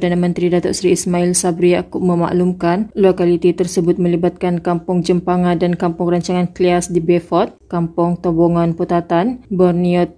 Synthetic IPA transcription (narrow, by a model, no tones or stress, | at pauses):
danamə̃nt̪ɾidat̪ɔ̰ʔsɾiːsmãɪlsabɾijakʊʔ̚mə̃ma̰ʔlumkanlokalit̪it̪ərsəbʊt̪̚mə̃libat̪̚kankampʊŋd͡ʒəmpaŋãndankampʊŋraɲt͡ʃaŋankliasdibefɔt̪̚kampʊŋt̪oboŋanput̪at̪anbərniɔt̪̚